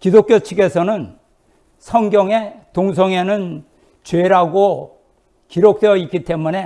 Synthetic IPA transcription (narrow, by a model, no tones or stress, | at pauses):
kidok͈jot͡ɕʰiɡe̞sʰʌnɯn | sʰʌŋɡjʌŋe̞toŋs̬ʰʌŋe̞nɯn | t͡ɕwe̞ɾaɡo | kiɾok̚t͈wejʌik͈it͈e̞mune̞